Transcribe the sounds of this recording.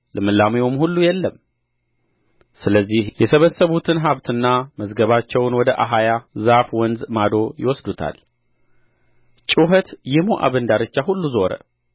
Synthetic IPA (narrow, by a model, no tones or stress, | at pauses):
lɨmɨlːameomhulːujɛlːəm | sɨləzːihjɛsəβəsːəβut̪ʰɨnɦaβt̪ʰɨnːaməzɡəβat͡ʃːɛwnwɔd̪əʔaɦajazafwɔnzmad̪o̞jɪ̰wɔsd̪ut̪ʰa̰l | t͡ʃʼuɦət̪jɪmoʔa̰βənd̪aɾɨt͡ʃːahulːuzo̞ɾə̰